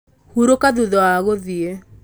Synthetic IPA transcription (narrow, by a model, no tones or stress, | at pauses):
huɾokaðuðɔwaɣoðie